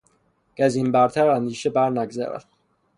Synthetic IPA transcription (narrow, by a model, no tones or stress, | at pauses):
ɡ̥æzimbæɾt̪ʰæɾænd̪iːʃebæɾnæɡzæ̰ɾæ̰d̪̥̚